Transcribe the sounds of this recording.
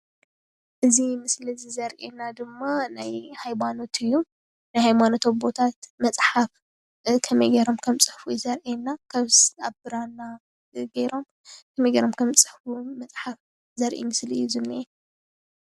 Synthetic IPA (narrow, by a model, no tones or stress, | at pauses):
ʔɨzimɨslzizɐɾʔenad̪ɨmːanajhajbano̞t̪ʰɨjːu | najhajmanot̪ʰo̞βbo̞t̪ʰat̪mɐt͡sʼħaf | kʰɐmejɡɐɾo̞mkʰɐmt͡sʼɨħfuzɐɾʔenːakʰɐβsaβbɨɾanːa | ɡejɾo̞m | kʰɐmejɡɐɾomkʰɐmt͡sʼɨħfumɐt͡sʼħaf | zɐɾʔḭmɨsliɨjuzɨnːiʔe